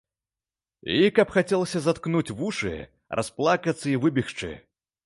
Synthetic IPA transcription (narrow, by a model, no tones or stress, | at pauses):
ikɐpxat͡sʲɛlˠɐsʲɐzat̪knut͡sʲvuʂɨ̰ | rʔasplˠakɐt̪sːɐivɨbʲixt͡ʂɨ̰